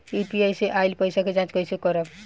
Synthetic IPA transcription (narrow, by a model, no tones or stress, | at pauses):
ipiajseʔajlpəjsaked͡ʒãt͡ʃkəjsekəɾəb